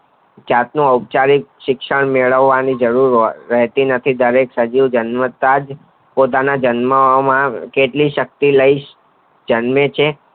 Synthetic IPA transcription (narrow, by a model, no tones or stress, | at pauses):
d͡ʒat̪nũəwp̚t͡ʃaɾikʃɪkʃəɳmeɭəʋːanid͡ʒəɾuɾːəɦt̪inət̪ʰid̪əɾeksəd͡ʒiʋd͡ʒənmət̪ad͡ʒ | pot̪̬anad͡ʒənməmãkeʈliʃək̚t̪iləiʃ | d͡ʒənmet͡ʃʰe